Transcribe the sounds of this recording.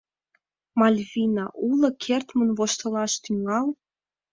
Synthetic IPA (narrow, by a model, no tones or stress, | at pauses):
mɑlʲvinɑʔulɤ̆kʰert̪mənβoʃt̪ə̆lɑʃt̪yŋɑl